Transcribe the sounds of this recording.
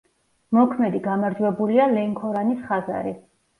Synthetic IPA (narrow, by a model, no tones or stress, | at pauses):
mɔkʰmɛd̪iɡamaɾd͡ʒwɛbulialɛŋkʰɔɾanisχaza̰ɾi